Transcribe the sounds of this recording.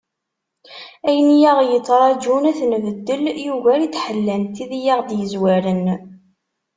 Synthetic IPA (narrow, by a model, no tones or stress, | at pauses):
æjənijæʁjət͡sːɾˤɑd͡ʒunæθnvəd̪ːəljuʝæɾit͡sːħəlːænt̪iðjaʁd̪jəzwæɾən